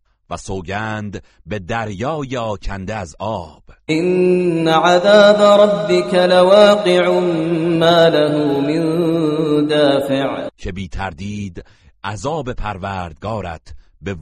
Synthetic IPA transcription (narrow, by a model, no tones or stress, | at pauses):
væsoːɟæːnd̪ | be̞d̪æɾjɒːjeɒːcʰænd̪eæzɒːb̥ʔɪnːaʕaðaːbaɾˤɑbːɪkalawaːqɨʕmaːlaɦʊːmɪn | d̪aːfɪʕcʰe̞biːt̪ʰæɾd̪iːd̪ | ʔæzɒːbe̞pʰæɾvæːɾd̪ɡɒːɾæ̰t̪ʰ | be̞